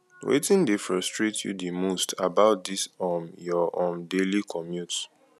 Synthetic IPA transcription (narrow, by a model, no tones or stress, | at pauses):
wḛtĩndefɹɔstɹetʰjṵdimostʰa̰baʊt̚disɔmjɔʔɔ̃mdelikʰɔmjut